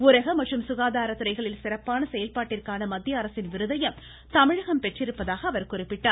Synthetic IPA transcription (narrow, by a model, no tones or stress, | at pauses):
ʊɾɐɣɐmɐʈrɯmsʊɣaːðaːɾɐt̪ːɯɾɐɪɣɐɭɪlsɪrɐpːaːnɐsɛjɐlpaːʈːɪrkaːnɐmɐd̪ːjɐɐɾɐsɪnʋɪɾɯðɐjɐm | t̪ɐmɪɻɐɣɐmpɛʈrɪɾɯpːɐðaːɣɐɐʋɐɾkʊrɪpːɪʈːaːɾ